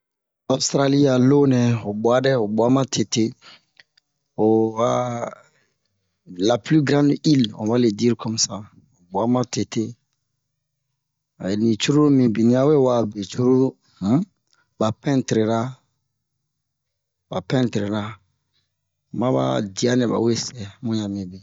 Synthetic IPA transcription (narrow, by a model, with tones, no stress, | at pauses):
o˦st̪ɾa˦li˦a˨lo˦nɛ̃˨o˨bɔ˨a˦dɛ˦o˨bɔ˨a˦mã˦tʰe˨te˦ | o˨wa˦ | la˨pli˦ɡɾã˦ndi˦lɔ̰̃˨ba˦le˨di˦ɾkʰɔ˦m˦sa˨ | o˨bu˨a˦mã˦te˨te˦˨ | nĩ˨t͡ʃu˦ɾu˦ɾu˦mĩ˨bi˨nĩ˦a˨we˦wa˨be˨t͡ʃu˦ɾu˦ɾu˦ | ba˨pɛ̃˦ntɾe˨ɾa˦ | ba˨pɛ̃˦ntɾe˨ɾa˦˨ | mã˦ba̰˦di˨a˦nɛ̃˨ba̰˨we˦sɛ˨mũ˦ɲã˨mĩ˨bi˨